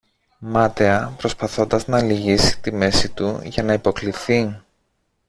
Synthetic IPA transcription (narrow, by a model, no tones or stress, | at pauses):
mɐt̪eɐpɾo̞spɐθo̞nd̪ɐznɐːliʝisi̥t̪ime̞sit̪uʝɐnɐipo̞kliθi